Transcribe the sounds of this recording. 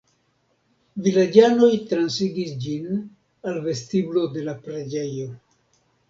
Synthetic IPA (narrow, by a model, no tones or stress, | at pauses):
vilad͡ʒano̞jtɾansiɡisd͡ʒin | alve̞stiblo̞de̞lapɾed͡ʒe̞jo̞